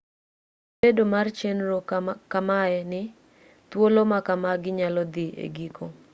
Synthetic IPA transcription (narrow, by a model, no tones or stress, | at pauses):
bedomart͡ʃenɾokamaɛnɪ | t̪wolomakamaɡɪɲalɔd̪ɪʔḛɡikʰo